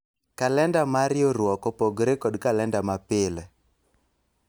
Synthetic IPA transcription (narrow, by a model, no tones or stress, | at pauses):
kalɛndamaɾɪoɾwɔkɔpoɡɾekɔdkalɛndamapɪlɛ